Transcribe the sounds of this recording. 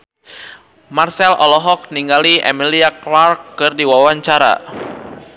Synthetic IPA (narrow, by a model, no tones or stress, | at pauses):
marsɛlʔɔ̰lɔɦɔk̚niŋɡaliʔɛ̰miliaklarkːɨrdiwawaɲt͡ʃaɾa̰